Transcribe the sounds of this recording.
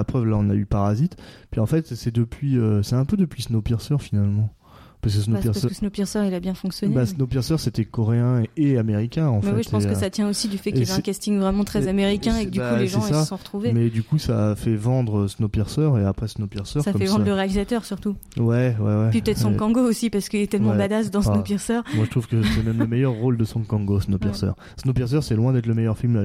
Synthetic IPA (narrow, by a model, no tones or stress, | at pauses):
apχœvlaɔ̃na̰ypaʁazit̪pɥiɑ̃fɛt̪sɛd̪əpɥiøsɛt̪ɛ̃pød̪əpɥisnopiʁsœʁfinalmɑ̃ | paʁskəsnopiʁssnopiʁsœʁilabjɛ̃fɔ̃ksjɔnbasnopiʁsœʁset̪ɛkɔʁeɛ̃eameʁikʲɛ̃ɑ̃mɛɛiʒəɑ̃skəsat̪jɛ̃osid̪yfɛiaɛ̃kʲast̪iŋvʁɛmɑ̃t̪χɛzameʁikʲɛ̃ekəd̪ykulesʒɑ̃ssasɔ̃ʁət̪χuvemɛd̪ykusaːfɛvɑ̃d̪ʁəsnopiʁsœʁeapχɛsnopiʁsœʁsakɔmfɛvɑ̃d̪ʁləʁealizat̪œʁsyʁt̪uwɛwɛ̰wɛpipət̪ɛt̪ssɔ̃kɑ̃ɡoosipaʁsə̥kəilɛt̪ɛlmɑ̃bad̪asd̪ɑ̃snopiʁsœʁmwaʒət̪χuvkəsɛmɛməmɛjœʁːold̪əsɔ̃kɑ̃ɡosnopiʁsœ̰ʁ | snopiʁs̬œʁsɛlwɛ̃d̪ɛt̪ləmɛjœʁfilm